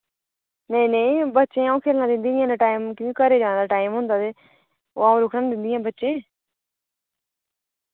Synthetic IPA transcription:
neĩneĩbətːʃẽːaːũːkʰeːlnãd̪ɪ̃nd̪iãːnaʈaːɪmkɪĩkəɾeːd͡ʒãːd̪aʈaːɪmɦʊ̃nd̪aːd̪e | o̰ːaːũɾʊkʰnand̪ɪ̃nd̪ĩãːbətːʃẽː

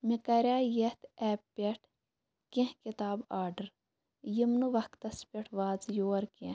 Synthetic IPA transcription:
mikɐɾʲaːjet̪ɛːppʲeʈʰ | kẽhkit̪aːbaːɾɖəɾ | jimnuʋɐkt̪ɐspʲeʈʰʋaːd͡zjoːɐɾkẽ

